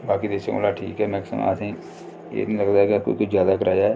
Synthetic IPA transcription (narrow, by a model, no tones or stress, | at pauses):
baːkiːd̪eːʃəko̰ːlaːʈʰḭːkɛːmɛ̃ːkɪ̥sə̰mːsĩː | ḛːnĩːləɡd̪aːɦɛkːko̰ikʊd͡ʒjaːd̪aːkəɾaːd͡ʒaːɛː